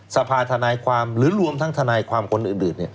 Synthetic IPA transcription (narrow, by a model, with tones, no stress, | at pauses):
sa˧pʰaː˧t̪ʰa˧naː˧jkʰwaː˧mɾɯː˨˩˦ɾu˧əmt̪ʰa˦˥ŋt̪ʰa˧naː˧jkʰwaː˧mkʰo˧nʔɯː˨˩nʔɯː˨˩nːi˥˩